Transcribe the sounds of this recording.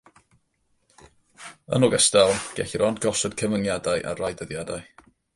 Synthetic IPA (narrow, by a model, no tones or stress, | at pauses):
ə̰nɔɡɛstalˠɡ̥ɛɬiɾɔndɡɔsɔd̥kʰəmənjadaɨʔa̰rajdəðjadaj